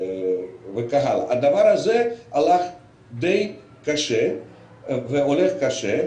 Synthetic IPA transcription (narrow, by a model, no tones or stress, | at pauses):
vekaɦalad̪avaɾhazealaχ | d̪ej | kaʃe | veoleχkaʃe